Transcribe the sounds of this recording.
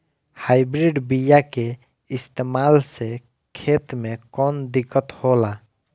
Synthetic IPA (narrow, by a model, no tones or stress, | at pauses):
hajbɾiɖbijake | ɪst̪emalse | kʰet̪mẽkɔnd̪ikːət̪hola